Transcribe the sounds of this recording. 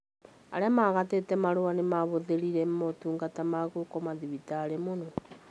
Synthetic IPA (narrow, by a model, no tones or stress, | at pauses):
a̰ɾɛmaɣatetɛmaɾoanemaβoðeɾiɾɛmotuːŋɡatamaɣokɔmaðiβitaɾemono